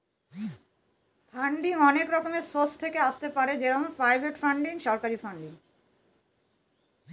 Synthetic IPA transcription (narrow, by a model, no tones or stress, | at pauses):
faɳɖiŋɔnekɾɔkomesost̪ʰekeaʃt̪epaɾed͡ʑeɾɔmoɾpɾajbʱeʈfaɳɖiŋʃɔɾkaɾifaɳɖiŋ